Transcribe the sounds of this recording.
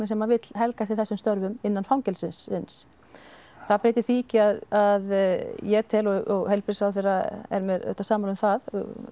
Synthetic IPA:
nɪsɛmavɪt̪l̥ɦɛlkast̪ɪθɛsːʏmst̪œɾvʏmɪnːanfawŋcɛlsɪnsɪns | θaðpɾeːjt̪ɪθiicɪaðaðjɛt̪ʰɛlɔɔɣhejlpɾɪsaðθejraɛ̰ɾmjɛɾœ̰ht̪asaːmaɾʏmθað

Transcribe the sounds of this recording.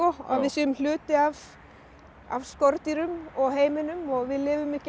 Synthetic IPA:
ɔa̰vɪðsiːʏml̥ʏːt̪ɪav | a̰vskɔɾt̪iɾʏmɔɣɦeːjmɪnʏmɔɣvɪðlɪːvʏmːɪhc

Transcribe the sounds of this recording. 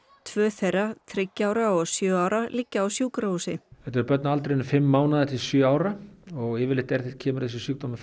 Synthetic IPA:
t̪ʰvœːθejrːaθʰɾɪcːaːwɾaɔɣsjœːaːwɾalicːaawsjuːkɾausɪ̰ɛht̪ɛɾpœt̪̚naalt̪ɾeɪnʏfɪmːaːwnaðat̪ʰɪlsjœːaːwɾaɔɣɪːvɪlɪht̪ɛɾ̥θɪl̚cʰɛːmʏɾ̥θɛs̬ɪsyk̚t̪ɔmʏ

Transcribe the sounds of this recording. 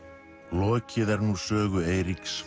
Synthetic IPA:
lɔːcʰɪðɛɾnusœːɣʏeːjɾiks

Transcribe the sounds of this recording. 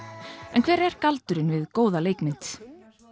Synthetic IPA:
ɛnkʰvɛːɾɛɾ̥kalt̪ʏɾɪnvɪðkoːwðaleːjkmɪnt̪

